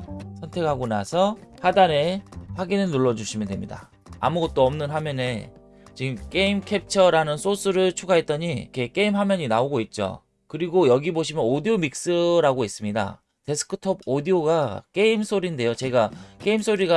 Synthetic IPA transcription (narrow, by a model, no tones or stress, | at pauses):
sʰʌntʰe̞kʰaɡona̰sʰʌhadane̞ɸwaɡinɯɭnuɭːʌd͡ʑuɕʰimjʌndwemɲida̰ | a̰muɡʌt̚t͈oʌmnɯnɦamjʌne̞ | t͡ɕiɡɯmk͈e̞imkʰe̞p̚t͡ɕʰʌɾanɯnsʰos͈ɯɾɯɭt͡ɕʰuɡaɦe̞t̚t͈ʌɲikʰe̞k͈e̞imɦamjʌɲinaoɡoit̚t͡ɕ͈o̰ | kɯɾiɡojʌɡiboɕʰimjʌnodiomik̚s͈ɯɾaɡoɦes͈ɯmɲida̰ | te̞sʰɯ̥kʰɯ̥tʰʌb̚odioɡak͈e̞imsʰoɾinde̞jot͡ɕe̞ɡak͈e̞ims͈ʰoɾiɡa